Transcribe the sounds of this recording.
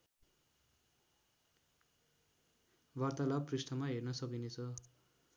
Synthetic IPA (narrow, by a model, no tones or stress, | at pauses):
bart̪alab̚prisʈʌmaɦernʌsʌkinet͡sʰʌ